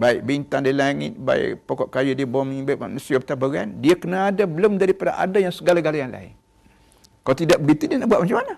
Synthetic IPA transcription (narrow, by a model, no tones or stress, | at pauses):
baɪʔ̚bint̪aŋdalaŋɪ̰t̪̚ba̰ɪ̰ʔpokɔʔkajudiəbɔmibaʔaʔmnusiabət̪abəɾandiakənaːdabəlʊmdaɾipada̰ʔa̰dajaŋsəɡalaɡalajaŋla̰ɪ̰n | kalot̪idaʔ̚bəɡit̪udianaʔbuat̪̚mat͡ʃamana